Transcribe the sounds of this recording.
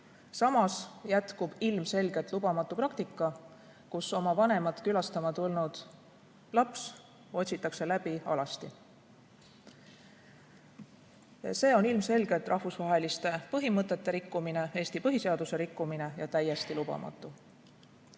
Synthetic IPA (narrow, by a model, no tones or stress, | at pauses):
sɑmɑsjæt̪kub̥ilmse̞lɡ̥e̞t̪ːˑlubɑmɑt̪ˑːuprɑkt̪ikˑːɑ | kuso̞mɑvɑnemɑt̪ˑkylɑst̪ɑmɑt̪ulnud̪̥ | lɑps | o̞t̪ʲsit̪ːˑɑkse̞læb̥iɑ̰lɑst̪i | se̞ːo̞nilmse̞lɡ̥e̞t̪ːˑrʔɑhvusvɑɦe̞list̪e̞pɤɦimɤt̪ːˑe̞t̪ːe̞ɾikːumine̞e̞ːst̪ipɤɦise̞ɑd̪̥use̞ɾikːumine̞jɑt̪æje̞st̪ilub̥ɑ̰mʔɑ̰t̪ːˑu